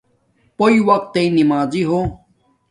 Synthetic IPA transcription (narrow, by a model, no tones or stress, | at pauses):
poiwɐq̚t̪ːeinimaːziɦoː